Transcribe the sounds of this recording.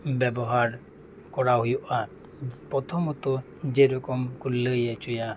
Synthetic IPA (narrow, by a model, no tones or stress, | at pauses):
bɛbɔɦaɾ | kɔɾaɦujuʔa | pɾɔt̪ʰɔmɔt̪ɔ | d͡ʒeɾɔkɔmkulːəjet͡ʃuja